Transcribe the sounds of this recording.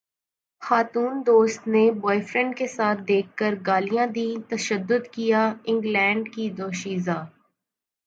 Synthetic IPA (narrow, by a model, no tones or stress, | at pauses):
xaːt̪uːnd̪oːst̪nebɔːɪfɾɛ̃ɳɖkesaːt̪̚ʰd̪eːkːəɾɡaːlijãd̪ĩːt̪ɐʃəd̪ːʊd̪kijaɪ̃ŋɡlɛ̃ːɳɖkid̪oːʃiːzaː